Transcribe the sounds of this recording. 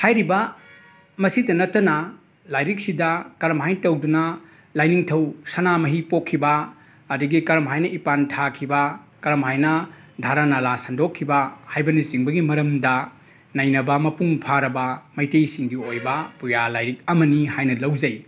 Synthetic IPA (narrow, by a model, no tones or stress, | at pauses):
hajɾibɐ | mɐsitɐnɐtːɐnɐ | lajɾik̚sidɐkɐɾɐmɦajtɐwdunɐ | lajniŋtʰɐwsɐnamɐɦipokʰːibɐː | duɡikɐɾɐmɦajnɐʔipantʰakʰibɐ | kɐɾɐmɦajnɐ | dʱaɾanalasɐndokʰːibɐhajbɐniziŋbɐɡimɐɾɐmdɐ | nɐjnɐbɐmɐpuŋpʰaɾɐbɐmɐjtejsiŋdiojbɐpujalajɾik̚ɐmɐnihajnɐlɐwd͡ʒɐj